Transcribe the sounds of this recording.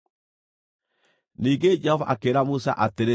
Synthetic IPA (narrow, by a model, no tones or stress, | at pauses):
niːŋɡed͡ʒɛhɔva̰ʔakeɾamusa̰ʔateɾe